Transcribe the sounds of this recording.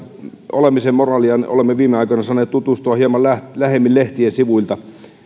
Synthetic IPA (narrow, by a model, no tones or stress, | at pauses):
olemisemmorɑːliɑno̰lemːeʋiːmeɑikonɑsɑːnːˑeːt̪t̪ut̪ust̪uɑhiemɑllælæhemːilleht̪iensiʋuilt̪ɑ